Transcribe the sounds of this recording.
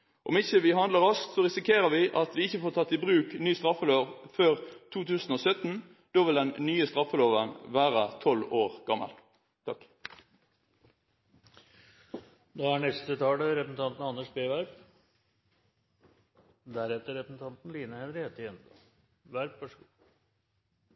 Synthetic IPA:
ʔɔmɪçːəʋɪɦɑnd̪ləʁɑsk̪sɔʁɪsɪkʰeːʁəʋɪʔɑt̪ʋɪɪçːəfoːt̪ʰɑt̪ːɪbʁʉːknyːst̪ʁɑfːəloːʋføːʁt̪ʰuːt̪ʰʉːsən̩oːsœt̪n | d̪̥oːʋɪld̪ɛnːyːəst̪ɾɑfːəloːʋənʋæːʁət̪ʰɔloːʁɡ̥ɑmːə̰l | t̪ʰɑk | d̪oæɳɛst̪ət̪ʰɑːləɾɛpəsn̩ɑnt̪n̩ɑnːəʂbeːʋæɾp | d̪æɾɛt̪ːəɾɛpəsn̩t̪ʰɑnt̪n̩liːnəhɛnɾɪhet̪ɪjɛnɑ | ʋæɾpʋɑʂəɡu

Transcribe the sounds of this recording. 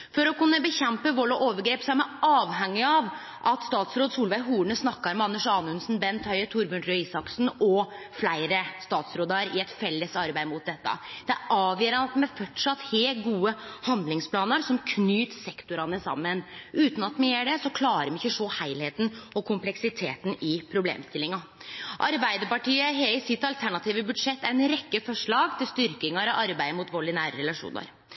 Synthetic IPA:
fɔɾɔkʉnːəbəçɛmpəʋɔlɔʔoːʋəɾɡɾeːpsɔæɾmæɪɑːʋɦɛŋːɪɑʋ | ʔɑt̪st̪ɑːt̪sɾoːd̪suːlʋæɪɦuːɳəsnɑkːɑɾmɑnːəʂɑːnʉnsnbɛnt̪ʰœʏət̪ʰʊɾbʉnɾœisɑksn̩ɔ | flæɪɾəst̪ɑːt̪sɾoːd̪əɾɪɛt̪fɛlːəsɑɾbæɪmʊt̪̚d̪ɛt̪ːə̰d̪̥ɛæɾʔɑːʋjøːɾɑnɑt̪mɛæfɔʈʂɑt̪ːheːlɡuːəhɑnd̪lɪŋspʰlɑːnəɾsɔmkʰnyːt̪sɛkt̪ʊɾɑnəsɑ̰mːənʔʉːt̪n̩ɑt̪mɛjeːɖɛsɔkʰlɑːɾəɾmɛɪçːəʂoːhæɪlheːt̪n̩ɔkʰʊmplɛksɪt̪ʰḛːt̪nɪpʰɾʊblḛːmst̪ɪlːɪŋɑ | ʔɑ̰ɾbæɪd̪əpɑʈiːəɦeɪsɪt̪ɑlt̪ʰæɳɑt̪ʰiːʋəbʉd̪ʂɛt̪ːæɾɛnɾɛkːəfɔʂɭɑːɡt̪ʰɪlst̪ʏɾkɪŋɑɾɔʔɑɾbæɪmʊt̪ʋɔɭɪnæːɾəɾɛlɑʂṵːnə̰ɾ

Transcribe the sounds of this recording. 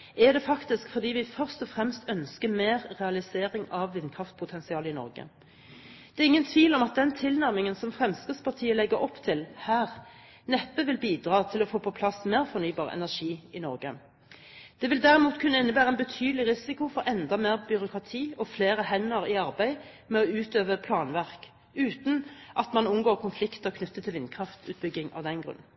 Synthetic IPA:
ɛd̪ɛfɑkt̪ɪskfɔʁd̪iːʋɪfœʁst̪ɔfʁɛmst̪œnskəmeːʁʁɛɑlɪseːʁɪŋɑʋːɪnːkʰʁɑft̪̚pʰʊt̪ʰɛnsɪɑːlɪnɔ̰ʁɡə̰ | d̪̥ɛːʁɪŋːənt̪ʰʋiːlɔmɑt̪̚d̪ɛnt̪ʰɪlnæʁmɪŋənsɔmfʁɛmsʁɪːd̪spɑt̪ʰiːəlɛɡːəɾɔpːt̪ʰɪlhæːʁ | nɛpːəʋɪlbiːd̪ʁɑːt̪ʰɪlɔfoːpʰɔpʰlɑsmeːʁfɔʁnyːbɑːʁɛ̰næʂiːɪnɔʁɡə̰ | d̪̥ɛʋɪld̪æʁɪmuːt̪kʰʉnːəɪnːəbæːʁəɛnbət̪ʰyːd̪lɪʁɪsɪkʊfɔʁɛnd̪ɑmeːʁbʏɾʊkʰʁɑt̪ʰiːɔfleːʁəɦɛnːəʁɪɑʁbæɪ | mɛɔʉːt̪øːʋəpʰlɑːnʋæʁk | ʉːt̪n̩ʔɑt̪mɑnʊmɡoːʁkʰʊnflɪkt̪əkʰnʉt̪ːət̪ʰɪlʋɪnkʰʁɑft̪ʰʉ̰ːt̪̚bʏɡɪŋɑ̰ʋd̪ɛnɡʁʉ̰nː

